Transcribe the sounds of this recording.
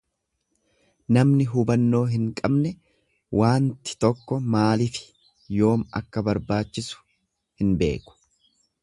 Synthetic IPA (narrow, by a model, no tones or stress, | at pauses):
nɐmnɪɦʊbɐnːo̞ːɦɪŋkʼɐbnɛ | wʔaːnt̪ɪ̥t̪ɔkːɔmaːlɪfɪ̥ | jo̞ːmɐ̰kːɐbɐɾbaːt͡ʃːɪsʊ̥ | hɪnbe̞̰ːkʊ̥